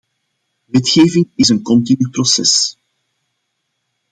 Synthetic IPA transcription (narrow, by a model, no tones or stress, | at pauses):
ʋɛtxeːvɪŋɪzənkɔntinyprɔsɛ̰s